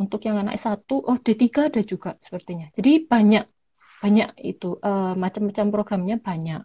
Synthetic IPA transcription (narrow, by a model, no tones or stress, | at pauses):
unt̪ʊkjaŋana̰ʔɪsat̪uʔɔhd̥at̪iɡadad͡ʒuɡ̥aʔsə̥pərt̪iɲad͡ʒadib̥aɲaʔ̚ | b̥aɲaʔḭt̪uʔəmat͡ʃamːat͡ʃampɾoɡɾamɲab̥aɲaʔ